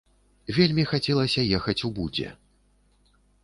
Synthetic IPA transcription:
vʲelʲmʲixat͡sʲɛlˠɐsʲɐjɛxɐt͡sʲubud͡zʲɛ̰

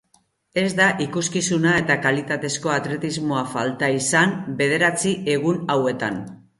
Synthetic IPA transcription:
e̞zd̪aʔikuskisunae̞t̪akalit̪at̪e̞sko̞at̪ɾe̞t̪izmoafalt̪aisanbe̞ð̞e̞ɾat͡siʔe̞ɣ̞unawe̞t̪an

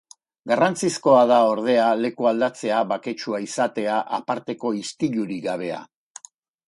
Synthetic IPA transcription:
ɡarant͡sisko̞aðao̞ɾð̞e̞ale̞kuald̪at͡se̞aβake̞t͡ʃuaisat̪e̞aʔapaɾt̪e̞ko̞ist̪iʎuɾiɡaβ̞e̞a̰

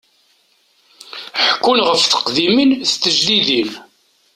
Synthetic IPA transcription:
ħəkːunʁəfθə̥qðimənθt̪ːəʒliðin

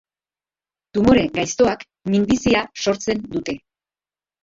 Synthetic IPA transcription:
t̪umo̞ɾe̞ɡajst̪o̞ak | minb̪isiaso̞ɾt͡se̞nd̪ut̪e̞

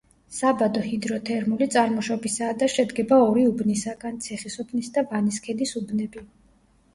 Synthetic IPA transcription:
sabad̪ɔhid̪ɾɔt̪ʰɛɾmulit̪sʼaɾmɔʃɔbisaːd̪aʃɛd̪ɡɛbaɔɾiubnisaɡant̪sʰɛχisubʰnisd̪avaniskʰɛd̪isubnɛbi

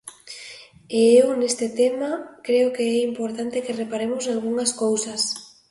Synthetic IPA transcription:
eewnest̪et̪emakɾeokeɛimpoɾt̪ant̪ekerepaɾemosalɣuŋaskowsas

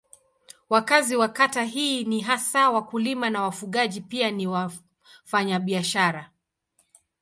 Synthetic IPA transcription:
wakaziwakataɦiːniɦasawakulimanawafuɠaʄipianiwa | faɲaɓiaʃaɾa

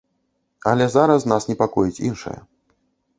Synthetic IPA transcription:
ɐlʲɛzaɾɐsnasnʲɛpakɔjit͡sʲḭnʂɐ̰jɐ̰

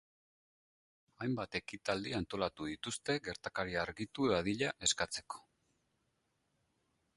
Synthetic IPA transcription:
ajmbat̪e̞kit̪ald̪iant̪o̞lat̪uðit̪ust̪e̞ɡe̞ɾt̪akaɾiaɾɣit̪uðað̞iʎaʔe̞skat͡se̞̥ko̥

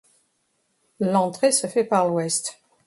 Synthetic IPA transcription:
lɑ̃t̪χesəfɛpaʁlwɛst̪

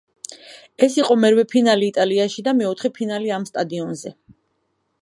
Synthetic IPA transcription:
ɛsiqʼɔmɛɾwɛpʰinaliːt̪ʼaliaʃid̪amɛɔt̪ʰχɛpʰinaliamst̪ʼad̪iɔnzɛ

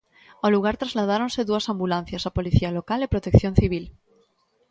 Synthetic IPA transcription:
aluɣ̞aɾt̪ɾazlað̞aɾonseðuasãmbulãn̟θjasapoliθialokalepɾot̪ekθjon̟θiβ̞il

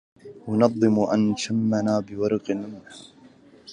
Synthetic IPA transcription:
wanɑðˤːɨmʔanʃamːanaːbɪwɑɾˤɑqɪnmɪnħa

